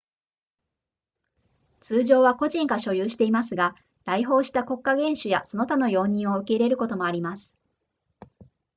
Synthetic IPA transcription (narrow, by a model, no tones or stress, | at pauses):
t͡sɨːʑo̞ːβako̞ʑĩŋkaɕo̞jɯːɕi̥t̪e̞imasɨɡa | ɾaiɦo̞ːɕi̥t̪ako̞kːaɡẽ̞ɰ̃ɕɨjasono̞t̪ano̞jo̞ːɲ̟ĩɰ̃o̞ɯ̟ke̞iɾe̞ɾɯ̟ko̞t̪o̞mo̞aɾʲimasɨ̥